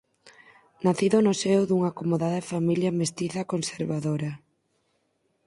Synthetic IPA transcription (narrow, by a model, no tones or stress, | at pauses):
naθiðonʊsewðuŋaːkomoðaðɐfamiljamest̪iθɐkonseɾβaðoɾɐ